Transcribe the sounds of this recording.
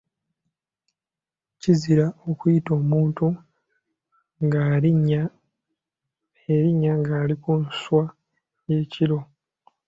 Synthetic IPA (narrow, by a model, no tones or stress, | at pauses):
ciziɾaokujito̞ːmuːntu | ŋɡaiɲa | eɾiɲːaŋɡaːlikunswa | je̞ːciɾo̞